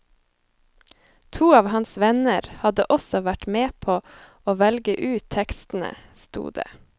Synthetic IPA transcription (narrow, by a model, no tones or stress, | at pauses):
t̪ʰuːɑːʋhɑnsʋɛnəɾhɑd̪əʔɔsɔʋæʈmeːpʰoː | oːʋɛlɡəʔʉːt̪ʰɛkst̪n̩ə̰st̪ṵːd̪ḛː